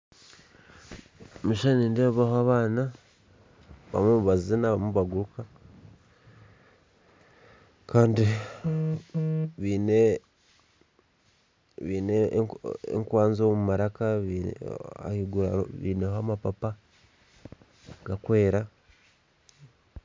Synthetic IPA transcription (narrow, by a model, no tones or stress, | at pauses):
miʃaniːndeββahoaβaːna | βa̰mumuβazinaβamuβaɡuɾuka | kaːndi | βiːne | βiːne | ḛŋkwaːnzomumaɾakaβ | a̰hiɡuɾa̰βḭːneɦoamapapa | ɡ̥akwe̞ːɾa